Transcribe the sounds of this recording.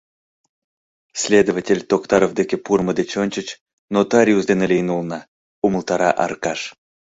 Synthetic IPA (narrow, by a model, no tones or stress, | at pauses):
sʲlʲed̪ovatʲelʲt̪okt̪ɑɾovd̪ekʲepurməd̪et͡ɕonʲt͡ɕə̆t͡ɕ | not̪aɾʲjuzd̪enelʲejnulnɑ | uməlˠt̪ɑɾɑ̰ʔɑ̰rkɑʂ